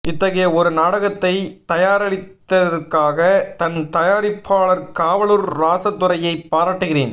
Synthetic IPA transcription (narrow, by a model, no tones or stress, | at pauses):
ɪt̪ːɐɣɐjɐɔɾɯnaːɽɐɣɐt̪ːɐɪt̪ɐjaːɾɐɭɪt̪ːɐðɐɾkaːɣɐt̪ɐnt̪ɐjaːɾɪpʰːaːɭɐɾkaːʋɐɭɯɾɾaːsɐt̪ːʊɾɐjɐɪpːaːɾaːʈːɯɣɪɾeːn